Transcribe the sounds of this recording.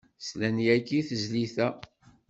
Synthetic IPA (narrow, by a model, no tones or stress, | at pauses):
slænjækːiθəzliθæ